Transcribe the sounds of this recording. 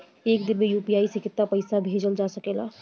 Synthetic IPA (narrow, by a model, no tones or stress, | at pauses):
eːkd̪ɪmejuːpijaːisekɪt̪ːapəɪsabʱeːd͡ʒəld͡ʒaːsəkeːlaː